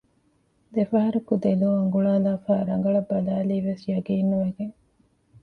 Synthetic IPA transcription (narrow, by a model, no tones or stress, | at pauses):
d̪efɐɦɐɾukud̪eluːɐŋɡuɭaːlaːfaːɾɐŋɡɐɭɐbɐlaːliːʋesjɐɡiːnːuʋɐɡeŋ